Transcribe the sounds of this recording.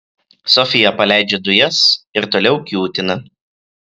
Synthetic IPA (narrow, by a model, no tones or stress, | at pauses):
sɔfʲɪjɛpɐlʲæˑɪd͡ʒʲed̪ʊjɛsɪɾt̪oːlʲɛʊkʲjuːt̪ʲɪnɐ